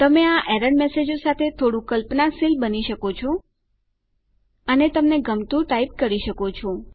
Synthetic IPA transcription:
t̪əmeaʔeɾəɳmesed͡ʒosat̪ʰet̪ʰoɽũkəlpnasilbəniʃəkot͡ʃʰɔ | ənet̪əmneɡəmt̪uʈaip̚kəɾiʃəkot͡ʃʰɔ

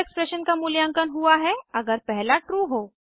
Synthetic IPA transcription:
ekspɾɛʃənkamʊljãŋkənɦuaɦɛɐɡəɾpɛɦlaʈɾuːɦoː

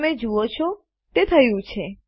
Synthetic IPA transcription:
med͡ʒuot͡ʃʰo | t̪et̪ʰəjũt͡ʃʰe

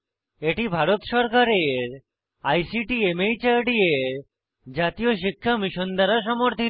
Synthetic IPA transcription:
eʈibʱaɾot̪ʃɔɾkaɾeɾ | ajsiʈiemejt͡ɕaɾɖieɾ | d͡ʑat̪ioʃ̬ikʰːamiʃond̪aɾaʃɔmoɾt̪ʰi

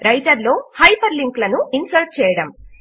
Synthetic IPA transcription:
ɾɐjʈɐɾlo̞ːhɐjpɐɾliŋklɐnuinsɐɾʈ̚t͡ʃɛːjɐɽɐm

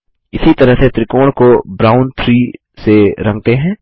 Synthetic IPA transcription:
ɪsit̪ɐɾəɦset̪ɾɪkoːɽ̃kobɾaːʊnt̪ʰɾiː | seɾɐ̃ŋɡ̚t̪eɦɛ̃ː

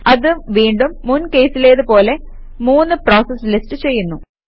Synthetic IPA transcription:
ɐðɨʋiːɳɖumːunke̞ːsile̞ːðɨpo̞ːle̞ | muːnːɨpro̞ːsɐslisʈɨt͡ɕe̞jːunːu

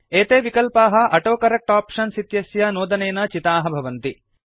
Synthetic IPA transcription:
eːt̪eːʋikɐlpaːɦɐ̆ʔɐʈoːkɐɾɐk̚ʈaːpʂɐnsit̪jɐsjɐnoːd̪ɐneːnɐt͡ʃit̪aːɦɐbʱɐʋɐnt̪i

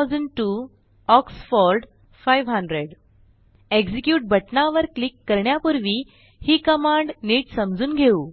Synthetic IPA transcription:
d͡zəɳɖʈu | ɔksfɔɾɖ | fajʋɦə̃ɳɖɾeɽ | eɡd͡ʑikjuːʈ̚bʱəʈnaʋəɾklikːəɾɳjapuɾʋiː | hiːkəmãɳɖniːʈsəmd͡zuːnɡʱeuː

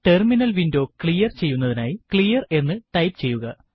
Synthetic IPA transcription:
ʈe̞rminɐlʋindo̞ːkɭijɐrt͡ɕe̞jːunːɐðinaːjikɭijɐre̞nːɨʈɐjpt͡ɕe̞jːuɣɐ

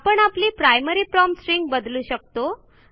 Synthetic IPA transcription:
pəɳapliːpɾajməɾiːpɾɔmsɾiŋɡbəd̪luːɕək̚t̪o

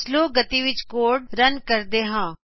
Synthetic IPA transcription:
sloːɡət̪iːʋɪt͡ʃkoːɖɾənkəɾd̪eːɦãː

